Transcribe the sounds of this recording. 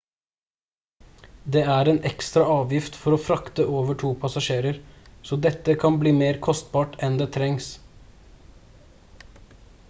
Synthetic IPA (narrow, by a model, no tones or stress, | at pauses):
d̪eːæɾeːnɛkst̪ɾɑʔɑːʋjɪft̪fɔɾoːfɾɑkt̪əʔoːʋəʈʰuːpʰɑsɑʃeːɾəɾsoːd̪ɛt̪ːəkʰɑnbliːmeːɾkʰɔst̪bɑːʈɛnd̪eːt̪ʰɾɛŋs